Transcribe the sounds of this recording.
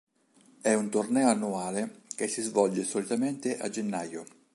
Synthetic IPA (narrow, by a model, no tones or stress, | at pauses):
ɛunt̪ornɛːoanːuaːlekesːizvɔld͡ʒesolit̪ament̪ɪʔa̰d͡ʒenːajo